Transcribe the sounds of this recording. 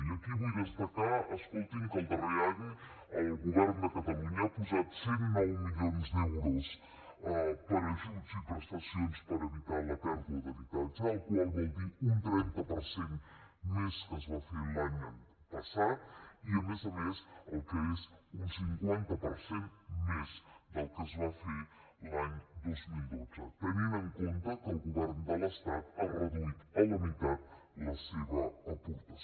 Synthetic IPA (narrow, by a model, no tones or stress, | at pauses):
iɐkiβuɣɐzpɐkaɐʃkolˠt̪ĩŋkõnt̪ɐβɐjaðu | ɐɣuβɛɾnuðɐkɐt̪ɐlˠuɲɐpuzaðsẽɾmalmiʎõnzðeɾoʃ | ɛpɐɾɐʒut̪uzipɾɨʃt̪ɐsiõjʃpɐɾɐeβit̪aɾmɐpɛɾðiðɐðɐvit̪alˠisawkualβẽnt̪iũnt̪ɾẽnt̪ɐpɐɾsẽnt̪meskəzβafelaɲ | pɐsat̪̚iəmezəmesəlˠkəezunsiŋkwant̪əpəɾsenmezd̪əlˠkəzβafe | laɲd̪ozmilˠd̪od͡zə̰t̪əninəŋkont̪əkəlˠɣuβɛɾnd̪ələst̪at̪arəðuit̪ələmit̪at̪̚ləseβəəput̪ə